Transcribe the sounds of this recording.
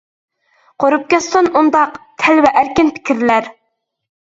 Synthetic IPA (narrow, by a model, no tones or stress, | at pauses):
qʰoɾup̚kʲɛsonund̪ɑqt̪ʰɛlvɛʔæɾkʲɪnpʰɪ̥kʲiɾlæɾ